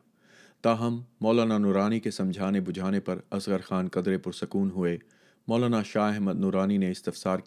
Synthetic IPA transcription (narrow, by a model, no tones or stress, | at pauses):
t̪aːɦɐmːɔːlaːnanʊɾaːnikesɐ̃md͡ʒʱaːnebʊd͡ʒʱaːnepɐɾɐsɣəɾxaːnkɐd̪ɾepʊɾsɐkuːnɦʊe | mɔːlaːnaʃaːɦɛɦməd̪nʊɾaːnineɪst̪ɪfsaːɾk